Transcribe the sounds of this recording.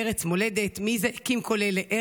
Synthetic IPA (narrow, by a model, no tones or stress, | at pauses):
eʁet͡smo̞led̪et̪mizekimkʰo̞leleʔe